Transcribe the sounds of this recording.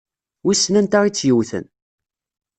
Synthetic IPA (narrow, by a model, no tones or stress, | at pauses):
wisːnænt̪aɾit͡sːjəwθə̰n